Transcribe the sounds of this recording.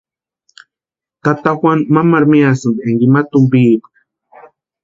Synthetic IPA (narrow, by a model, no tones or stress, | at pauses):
t̪at̪axwanmamaɾmiasɨnd̪iaŋɡimat̪ʊmbiːpḁ